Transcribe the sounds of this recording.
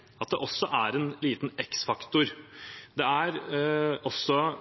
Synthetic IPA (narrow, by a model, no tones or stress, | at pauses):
ɑt̪̚d̪ɛʔɔsːɔʔæɾɛnliːt̪n̩ɛksfɑkt̪ʊɾd̪ɛæɾ | ɔsːɔ